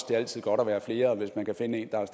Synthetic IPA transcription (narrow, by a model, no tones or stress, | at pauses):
sd̥e̝æl̰t͡sʰið̰ˠɡ̥ɒ̽ɾɒʋæːɐfle̝ːɐɒʋe̝smænkʰæfe̝nəe̝ːnd̥ɑæs